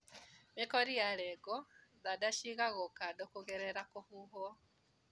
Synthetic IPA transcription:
mikoɾijalɛɡoðadaʃiɣaɣokadokuɣeɾeɾakohuɦo

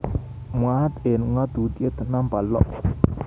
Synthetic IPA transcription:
mwaat̪enuŋad̪ut̪iət̪ənampalɔ̰ʔ

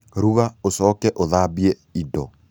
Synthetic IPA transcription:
ɾuβaosɔkɛʔoðabiɛ | idɔ

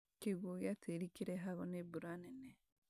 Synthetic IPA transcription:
keɣoɣjateɾikiɾɛɦaɣɔnebuɾanene

